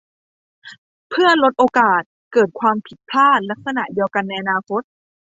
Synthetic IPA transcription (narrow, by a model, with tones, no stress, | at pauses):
pʰɯ˥˩ɐlo˦˥t̪̚ʔoː˧kaː˨˩t̪̚kɤː˨˩t̪̚kʰwaː˧mpʰi˨˩t̪̚pʰaː˥˩t̪̚la˦˥k̚sa˧na˨˩ʔdi˧əwka˧nːa˧jʔa˧naː˧kʰo˦˥t̪̚